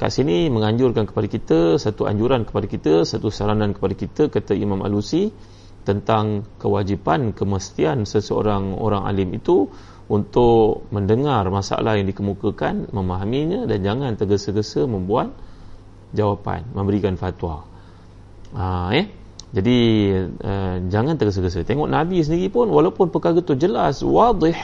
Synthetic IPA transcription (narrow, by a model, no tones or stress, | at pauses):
ka̰ʔsiniməŋaɲd͡ʒʊrkankə̥padakit̪əsat̪ua̰ɲd͡ʒuɾankə̥padakit̪əsat̪usaɾanankə̥padakit̪əkat̪əimãma̰lusi | t̪ənt̪aŋkəwad͡ʒipankəməst̪iansəsəo̰ɾaŋo̰ɾaŋa̰lɪmit̪u | unt̪ʊʔməndəŋarmasa̰a̰lahjaŋdikəmukəkanmə̃maɦamiɲãdand͡ʒaŋãnt̪əɡəsəɡəsəmə̃mbuat̪̚ | d͡ʒawapa̰nmə̃mbəɾikanfat̪wa̰ | əjɛ | d͡ʒadi | əd͡ʒaŋant̪əɡəs̬əɡəs̬ət̪eŋɔʔnabis̬əndiɾipʊnwalawpʊnpəkaɾət̪ud͡ʒəlaswɑd̪ˤɪħ